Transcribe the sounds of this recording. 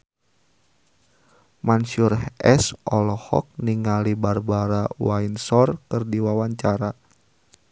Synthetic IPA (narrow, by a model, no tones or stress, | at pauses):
mansurhɛsɔlɔhɔ̰k̚niŋalibarbaɾawainsɔrkɨrdiwawaɲt͡ʃaɾa